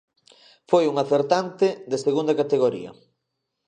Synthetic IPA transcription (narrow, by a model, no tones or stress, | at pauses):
fojuŋaθeɾt̪ant̪ɪd̪eseɣund̪ɐkat̪eɣoɾḭɐ̰